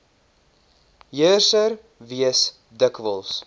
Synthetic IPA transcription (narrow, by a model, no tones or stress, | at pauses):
jərsər | viəs | dəkvəlˠs